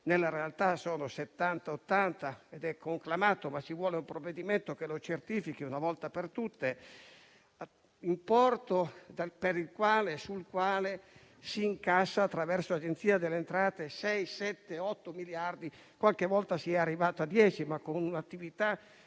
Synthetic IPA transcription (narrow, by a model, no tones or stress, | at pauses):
nelːaɾealt̪asoːnoset̪ːant̪aot̪ːant̪aed̪ɛkʰːoŋklamaːt̪omat͡ʃivwɔːleumpɾovːed̪iment̪okelot͡ʃert̪iːfikiunavɔlt̪apert̪ut̪ːe | impɔrt̪od̪apeɾilkwaːlesulkwaːle | siːŋkasːaːt̪ːɾavɛrsoad͡ʒent̪siːad̪elːent̪ɾaːt̪esɛjsɛt̪ːeɔt̪ːomiljard̪i | kwalk̟evɔlt̪asiɛarːivaːt̪oad̪ːjɛːt͡ʃimakːonunat̪ːivit̪a